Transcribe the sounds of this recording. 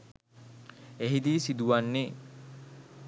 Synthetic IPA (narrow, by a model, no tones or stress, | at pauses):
eɦid̪iːsid̪uʋanːe